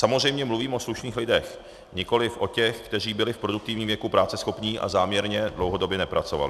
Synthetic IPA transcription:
samozr̝ɛjmɲɛmluviːmʔo̞sluʃniːxlɪdɛx | ɲɪko̞lɪfʔo̞cɛxkt̪ɛr̝iːbɪlɪfpɾo̞duk̚t̪ɪvɲiːmvjɛkupɾaːt͡sɛsxo̞pɲiːʔa̰zaːmɲɛɾɲɛdlowɦo̞dobjɛnɛpɾat͡so̞va̰lɪ

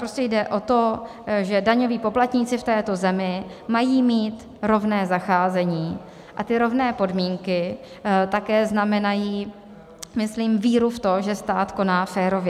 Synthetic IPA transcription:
pɾoscɛjdɛʔo̞t̪o̞ | ʒɛdaɲo̞viːpo̞plat̪ɲiːt͡sɪft̪ɛːt̪o̞zɛmɪ | majiːmiːt̪ | ɾo̞vnɛːzaxaːzɛɲiː | ʔat̪ɪɾo̞vnɛːpo̞dmiːŋkɪ | t̪akɛːznamɛnajiː | mɪsliːmviːɾuft̪o̞ʒɛst̪aːt̪ko̞naːfɛːɾo̞vɛ

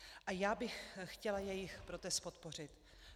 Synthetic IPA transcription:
ʔajaːbɪxxcɛlajɛjɪxpɾot̪ɛst̪̚pot̪po̞rɪt̪

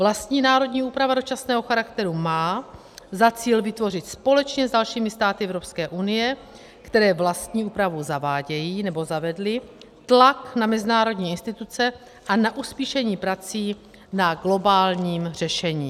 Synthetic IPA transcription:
vlast̪ɲiːnaːɾo̞dɲiːʔuːpɾavado̞t͡ʃasnɛːɦo̞xaɾakt̪ɛɾumaː | zat͡siːlvɪt̪vo̞r̝ɪt̪spo̞lɛt͡ʃɲɛzdalʃiːmɪst̪aːt̪ɪʔɛvɾo̞pskɛːʔunɪjɛ | kt̪ɛɾɛːvlast̪ɲiːʔuːpɾavuzavaːɟɛjiːnɛbo̞zavɛdlɪ | t̪laknamɛzɪnaːɾo̞dɲiːɪnst̪ɪt̪ut͡sɛ | ʔanaʔuspiːʃɛɲiːpɾat͡siː | naɡlo̞baːlɲiːmr̝̥ɛʃɛɲiː

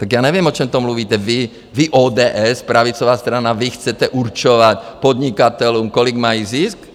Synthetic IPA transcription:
t̪aɡjaːɲɛʋɪɛmɔt͡ʃɔmt̪ɔmluʋiːt̪ɛʋi | ʋiʔɔːd̪ɛːʔɛspɾaʋit͡sɔʋaːst̪ɾanaʋixt͡sɛtɛʔurt͡ʃɔʋacpɔd̪ɲikat̪ɛluːmkɔliɡmajizisk

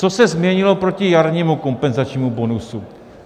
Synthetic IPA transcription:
t͡sosɛzmɲɛɲɪlo̞pɾo̞cɪjaɾɲiːmuko̞mpɛnzat͡ʃɲiːmubo̞nusu

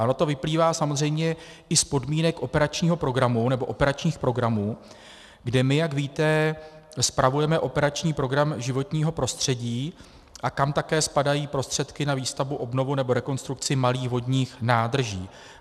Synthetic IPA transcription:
anot̪o̞vɪpliːvaːsamozr̝ɛjmɲɛ | ɪspo̞dmiːnɛkʔo̞pɛɾat͡ʃɲiːɦo̞pɾo̞ɡɾamunɛbo̞ʔopɛɾat͡ʃɲiːxpɾo̞ɡɾamuː | ɡdɛmɪjaɡviːt̪ɛ | spɾavujɛmɛʔo̞pɛɾat͡ʃɲiːpɾo̞ɡɾamʒɪvo̞t̪ɲiːɦo̞pɾo̞st̪r̥ɛɟiː | ʔakamt̪akɛːspadajiːpɾo̞st̪r̝̥ɛt̪kɪnaviːst̪avuʔo̞bno̞vunɛbo̞ɾɛko̞nst̪ɾuk̚t͡sɪmaliːxvo̞dɲiːxnaːd̪r̩ʒḭː

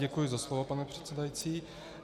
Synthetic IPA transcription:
ɛkujɪzaslovopanɛpr̝̥ɛ̥t̪t͡sɛdajit͡siː

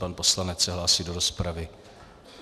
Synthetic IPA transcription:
panpo̞slanɛt͡ssɛɦlaːsiːdo̞ɾo̞spɾavɪ

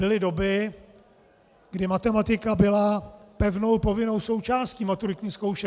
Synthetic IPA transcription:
bɪlɪdo̞bɪ | ɡ̥dɪmat̪ɛmat̪ɪkabɪlapɛvno̞wpo̞vɪno̞wso̞wt͡ʃaːsciːmat̪uɾɪt̪ɲiːsko̞wʃɛ

